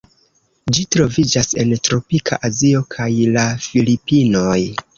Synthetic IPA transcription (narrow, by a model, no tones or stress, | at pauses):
d͡ʒitɾo̞vid͡ʒase̞̰ntɾo̞pikʰa̰ʔazio̞kʰajlafilipino̞j